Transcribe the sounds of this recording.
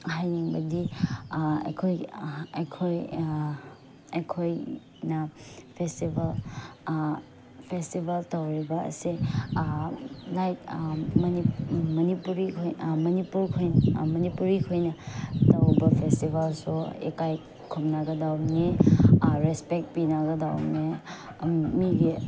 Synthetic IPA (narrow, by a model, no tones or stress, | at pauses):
ɦajniŋbɐdi | ḛkʰojekʰoj | ejkʰoj | nɐpʰestibal | pʰestibaltawɾibɐɐ̰se | lajtmɐnimɐnipuɾikʰojmɐnipuɾkʰojnmɐnipuɾikʰojnɐtɐwbɐpʰestibalsuḛkaj | kʰumnaɡɐdawni | ɾespek̚t̚pinaɡɐdawni | miɡi